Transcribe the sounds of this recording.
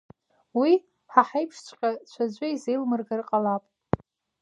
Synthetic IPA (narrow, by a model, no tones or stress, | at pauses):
wi | ħaħajpʰʂt͡ɕʷʰʼqʲʼat͡ɕʷʰad͡ʑʷɨizejlmɨrɡarqʼalapʼ